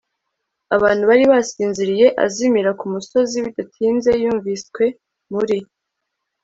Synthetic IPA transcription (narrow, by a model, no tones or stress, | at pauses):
aβaːn̥huβaɾiβasiːnziɾije̞ʔa̰zimiɾakumuso̞ziβidatʰiːnze̞juːɱviskwe̞ | muɾi